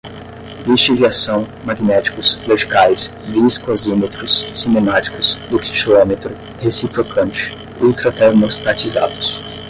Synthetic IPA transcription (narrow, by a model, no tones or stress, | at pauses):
vist͡ʃiviasɐ̃w̃maɡinɛt͡ʃi̥kʊsloʒikajs | viskozimet̪ɾʊsːinemat͡ʃi̥kʊz̥d̪ʊki̥ʃlomet̪ɾʊ | hesipɾokɐ̃nt͡ʃɪ̥ | uwt̪ɾɐt̪eɾmost̪at͡ʃiza̰d̪ʊs